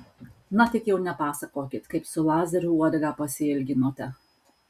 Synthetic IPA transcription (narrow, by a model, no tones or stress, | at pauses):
nɐt̪ʲɪkjɛʊnʲɛpɑːsɐkoːkʲɪt̪kɐɪpsʊlˠɑːzʲɛɾʲuuɔd̪ʲɐɡɑpɐsʲɪɪlʲɡʲɪnoːt̪ʲɛ